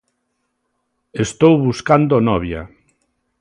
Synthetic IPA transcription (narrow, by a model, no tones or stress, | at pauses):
est̪owβuskand̪onɔβja̰